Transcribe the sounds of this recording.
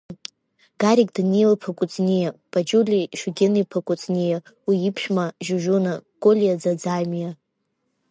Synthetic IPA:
ɡ̥aɾikʼdanelpʰakʷʼʊt͡sʰʼnʲijab̥ʰad͡ʒulʲiʃuɡʲenipʰakʼʊt͡sʰʼnʲija | wiːpʰʃᶣmaʒuʒunakʼolʲijad͡zad͡zajmija

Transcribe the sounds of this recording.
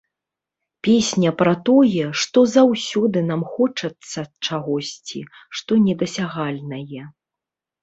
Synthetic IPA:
pʲesʲnʲɐpɾɐt̪ɔjɛʂt̪ɔzawsʲɔd̪ɨnamxɔt͡ʂɐt̪sːɐt͡ʂaɣɔsʲt͡sʲḭʂt̪ɔnʲɛd̪ɐsʲaɣalʲnɐjɛ

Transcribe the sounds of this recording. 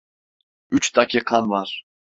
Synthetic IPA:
yt͡ʃt̪akʰiqʰɑnvɑɾ

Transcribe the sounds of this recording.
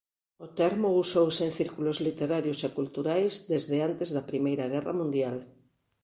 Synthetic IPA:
ot̪ɛɾmousowseŋθiɾkulozlit̪eɾaɾjosekult̪uɾajzd̪ezðeant̪ezðɐpɾimejɾɐɣ̞ɛrɐ̰mũnd̪jal

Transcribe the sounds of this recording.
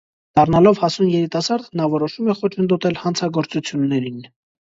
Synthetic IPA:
d̪̥ɑrnɑlɔvhɑsunjɛɾit̪ɑsɑɾd̪nɑvɔɾɔʃumɛχɔt͡ʃʰənd̪ɔt̪ɛlhɑnt͡sʰɑɡɔɾt͡sut͡sʰjunːɛɾin

